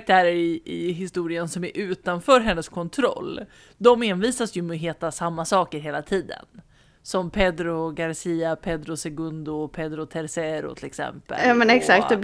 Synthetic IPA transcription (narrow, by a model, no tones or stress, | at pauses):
k̚t̪ʰæːɾəɾɪɪɦɪst̪uːɾɪənsɔmæɾʔʉ̟ːt̪anfœːɾɦɛnːəskʰɔnt̪ʰɾɔ̰lː | d̪ɔmenviːsasjɵmɛɦeːt̪asamːasɑːkəɾɦeːlat̪ʰiːd̪ə̰n | sɔmpʰɛd̪ɾʊɡaɾsiːapʰɛd̪ɾʊsɛɡɵnd̪ʊpʰɛd̪ɾʊt̪ʰɛɾsɛɾʊ̰t̪ʰɪlɛksɛ̰mpə̰ɑːmɛnɛksak̚t̪d̪ɛb